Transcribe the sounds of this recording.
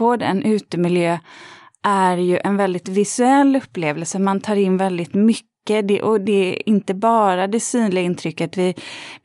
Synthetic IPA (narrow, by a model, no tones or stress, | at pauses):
oːd̪ə̰nʔʉ̟ːt̪əmɪljøː | ʔæɾjɵʔɛnvɛld̪ɪt̪vɪsɵɛlːɵpːleːvəlsəmant̪ʰɑːɾɪnːvɛld̪ɪt̪mʏkːəd̪ɛ̰ʔɔd̪ɛɪnt̪əbɑːɾad̪ɛsyːnlɪɡaɪnt̪ʰɾʏkːət̪vɪ